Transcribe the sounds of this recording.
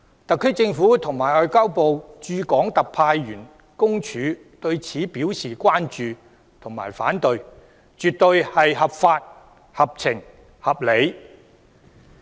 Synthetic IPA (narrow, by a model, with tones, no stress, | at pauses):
t̪ɐ˨kʰːɵ˥kt͡sɪ˧ŋfuː˨˥t̪ʰʊ˨˩ŋmaː˨˩jɔː˧jkaː˥wpo˨wt͡ʃyː˧kɔː˨˥ŋt̪ɐ˨k̚pʰaː˧jɥyː˨˩n | kʊ˥ŋt͡ʃʰyː˨˧ | t̪ɵ˧ɥt͡sʰiː˨˥piː˨˥wsiː˨kʷaː˥nt͡ʃyː˨ | t̪ʰʊ˨˩ŋma̰ː˨˩jfaː˨˥nt̪ɵ˧ɥ | t͡ʃyː˨t̚t̪ɵ˧ɥhɐ˨jhɐ˨pfaː˧t̚ | hɐ˨p̚t͡sʰɪ˨˩ŋ | hɐ˨p̚le˨˧j